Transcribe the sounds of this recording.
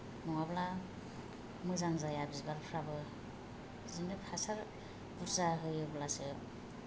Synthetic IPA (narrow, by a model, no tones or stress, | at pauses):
nɔŋabla | mɯzaŋzajabizbaɾpʰɾabɯ | zɯnɯpʰasaɾ | buɾzaɦɯjɯblasɯ